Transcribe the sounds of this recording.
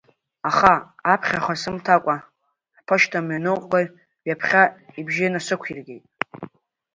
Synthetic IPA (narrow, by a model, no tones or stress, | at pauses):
aχaːpʰχʲaχʷasɨmtʰakʷʼa | ħpʰaʃtʰamanɨwqʼɡar | ɥjapʰχʲaibʒinasʷɨkʷʰirɡʲḛjtʼ